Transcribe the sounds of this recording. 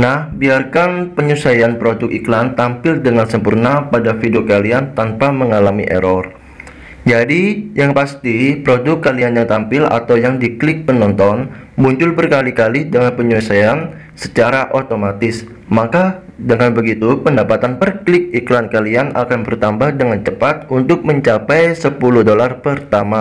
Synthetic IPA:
nahbiarkanpəɲusajanpɾodʊk̚iklant̪ampɪldəŋansəmpurnapadafidukaliant̪anpaməŋalamḭʔɛ̰ɾɔr | d͡ʒadijaŋpast̪ipɾodʊkːalianjaŋt̪ampɪla̰t̪awjaŋdiklɪk̚pənɔnt̪ɔn | muɲt͡ʃʊlbərkalikalidəŋanpəɲuasajan | sə̥t͡ʃaɾaʔot̪omat̪ɪs | makadəŋanbəɡit̪upəndapat̪anpərklɪk̚iklankaliana̰kanbərt̪ambahdəŋant͡ʃəpat̪̚unt̪ʊk̚məɲt͡ʃapɛjsəpulʊhdolarpərt̪ama

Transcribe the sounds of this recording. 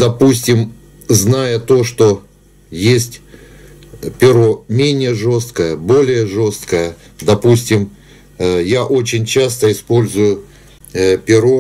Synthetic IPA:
d̪ɐpusʲtʲɪm | znajət̪o̞ʂt̪o̞ | jesʲtʲ | pʲɪɾo̞mʲenʲɪjəʐo̞st̪kəjəbo̞lʲɪjəʐo̞st̪kəjə | d̪ɐpusʲtʲɪm | jaʔo̞t͡ɕɪnʲt͡ɕast̪əɪspo̞lʲzʊjʊ | pʲɪɾo

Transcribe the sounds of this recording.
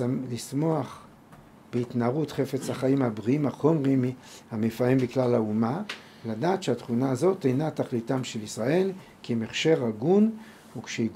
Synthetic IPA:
lismo̞aχ | b̥eitnaːʁutχe̞fet͡shaχaimhabʁiimhaχo̞mʁimhamefaimbiklalauma | ladaːtʃeatχunaːzo̞thinataχlitamʃelisʁae̞l | kimeχʃe̞ʁaɡun | ukʃeiɡ

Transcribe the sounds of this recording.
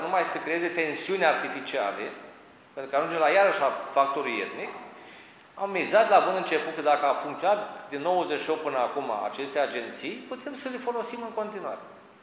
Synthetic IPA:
numajsəkɾejeze̞t̪e̞nsiunʲart̪ifit͡ʃia̰le | pent̪ɾukaʒund͡ʒelajaɾəʃafak̚t̪o̞ɾuje̞̰t̪nik | a̰mːizat̪labund̪ɨnt͡ʃe̞put̪̚kəd̪akəafuŋkt̪ionat̪̚d̪inːo̞wəzet͡ʃʃio̞p̚pɨnəakuma̰a̰t͡ʃe̞st̪ead͡ʒe̞nt̪sijput̪emsəlefo̞lo̞simɨŋko̞nt̪inuwa̰ɾe̞

